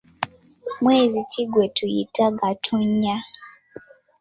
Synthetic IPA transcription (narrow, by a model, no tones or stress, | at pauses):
mweːziciɡwetʰuḭtaɡatʰoɲa